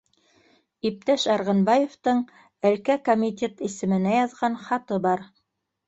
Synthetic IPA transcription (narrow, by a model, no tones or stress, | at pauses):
ip̚t̪æʃɑɾʁɤ̆nbɑjoft̪ɤɴ | ælkækomʲit̪ʲe̞t̪isɘ̆mɘ̆næjɑðʁɑnχɑt̪ɤbɑɾ